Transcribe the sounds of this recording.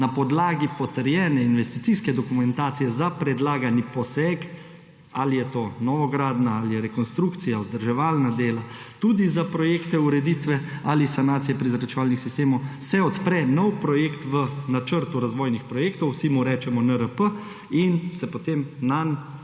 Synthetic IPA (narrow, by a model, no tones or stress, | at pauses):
napɔd̪laːɡipɔt̪əɾjɛːnɛinʋɛst̪it̪siskɛd̪ɔkumɛnt̪aːt̪sijɛzapɾɛd̪laːɡanipɔsɛːk | alijɛt̪oːnɔʋɔɡɾaːd̪naalijɛɾɛkɔnst̪ɾuːkt̪sijaɔzd̪əɾʒɛʋaːlnad̪eːla | t̪uːd̪izapɾɔjeːkt̪ɛuɾɛd̪it̪ʋɛalisanaːt̪sijɛpɾizɾat͡ʃɛʋaːlnixsist̪eːmɔwsɛɔt̪pɾɛnɔwpɾɔjeːkt̪ʋənat͡ʃəɾt̪uɾazʋɔːjnixpɾɔjeːkt̪ɔwsimuɾɛːt͡ʃɛmɔnəɾəpə | insɛpot̪eːmnan